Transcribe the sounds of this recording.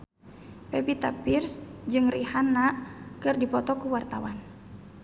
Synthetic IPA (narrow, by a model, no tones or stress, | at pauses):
pɛpit̪apirsd͡ʒɨŋrihanakɨrdipɔt̪ɔkuwart̪awan